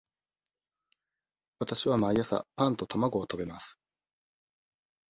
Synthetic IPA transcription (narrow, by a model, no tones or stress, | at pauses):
βat̪aɕiβamaijasa̰pãnt̪o̞t̪omaɡo̞ːt̪o̞be̞masɨ̥